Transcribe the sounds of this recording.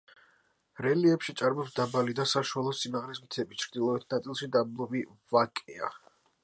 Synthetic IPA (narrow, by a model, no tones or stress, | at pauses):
ɾɛliɛpʃit̪sʼaɾmɔpsd̪abalid̪asaʃualˠɔsimaʁlɛsmt̪ʰɛbit͡ʃʰɾd̪ilˠɔɛt̪ʰnat̪sʼilˠʃid̪ablˠɔbivakʼɛa̰